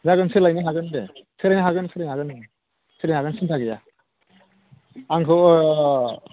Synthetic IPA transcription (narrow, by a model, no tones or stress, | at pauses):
zaɡɯnsɯlajnɯɦaɡɯndesɯlajnaɦaɡɯnsɯlajnhaɡɯn | sɯlanaɡɯnsintʰaɡɯja | aŋkʰɯw